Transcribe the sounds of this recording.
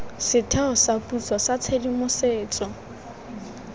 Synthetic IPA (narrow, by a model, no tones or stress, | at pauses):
sɪtʰɛɔsapʼut͡sɔsat͡sʰedimʊseːt͡sʼɔ